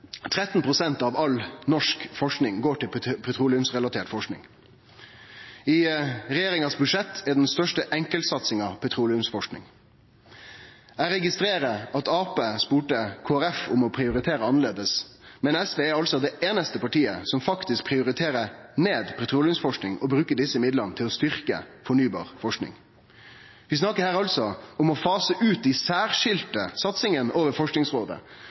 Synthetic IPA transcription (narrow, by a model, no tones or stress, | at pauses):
t̪ʰɾɛt̪npʰʁʊsɛnt̪ɑːʋɑlnɔʂkfɔʂknɪŋɡoːʈɪlpʰɛt̪ʰɾuːlɪʉmsʁɛlɑt̪ʰeːʈfɔʂknɪ̰ŋ | iɾɛjeːɾɪŋɑsbʉdʂɛt̪ʰːæɖɛnst̪œʂʈəʔɛŋkəlt̪sɑt̪sɪŋɑʋpʰɛt̪ʰɾuːlɪʉmsfɔʂknɪ̰ŋ | æːɾɛɡɪst̪ɾeːɾəɑt̪ɑːpeːspuːʈəkʰoːæɾɛfʊmɔpʰɾɪʊɾɪt̪ʰeːɾəɑnəɭeːd̪əsmɛnɛsʋeːɑlsɔd̪ɛʔeːnəst̪əpɑʈiːəsɔmfɑkt̪ɪsk̚pʰɾɪʊɾɪt̪ʰeːɾəneːd̪pʰɛt̪ʰɾuːlɪʉmsfɔʂknɪŋɔbɾʉːkəɖɪsəɪmɪd̪lənət̪ʰɪlɔst̪ʏɾkə̰fɔɳyːbɑ̰ːʁfɔʂknɪ̰ŋ | ʋɪsnɑkəɾhæːɾɑlsɔʊmɔfɑːsəʔʉːt̪̚d̪ɪsæːɾʂɪlt̪əsɑt̪sɪŋənoːʋəɾfɔʂknɪŋsʁoːd̪ə̰